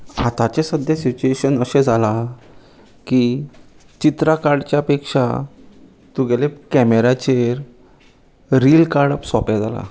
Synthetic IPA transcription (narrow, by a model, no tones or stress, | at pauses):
at̪at͡ɕesəd̪ʱjasit͡ɕueɕənəɕɛ̃d͡zʱala | ki | t͡ɕit̪ɾakaɾɖt͡ɕjaəpekʂa̰ | t̪uɡɛlekɛmeɾat͡ɕeɾ | ɾilkaɾɽəpsɔpad͡zala̰